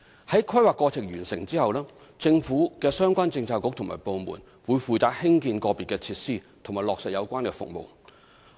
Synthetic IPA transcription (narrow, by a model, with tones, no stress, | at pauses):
hɐ˨˥jkʰɐ˥jwaː˨kːɔː˧t͡sʰɪ˨˩k̚jyː˨˩nsɪ̰˨˩ŋt͡siː˥hɐ˨wlɛː˥ | t͡sɪ˧ŋfuː˨˥kɛː˧sœː˥ŋkʷaː˥nt͡sɪ˧ŋt͡sʰaː˧kʊ˧˥k̚t̪ʰʊ˨˩ŋma̰ː˨˩jpo˧wmṵː˨˩n | wuː˨˧jfuː˨˧jt͡saː˧k̚hɪ˥ŋkiː˧nkɔː˧piː˨tkːɛː˧t͡sʰiː˧t̚siː˥˩t̪ʰŋmaː˨˩jlɔː˨k̚sɐ˨jɐ˨˧wkʷaː˥nkɛː˧fʊ̰˨k̚mo̰˨w